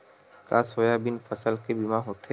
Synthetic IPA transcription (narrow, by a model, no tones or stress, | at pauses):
ka̰ːsoːjaːbɪnfəsəlkebɪmãːɦoːt̪ʰe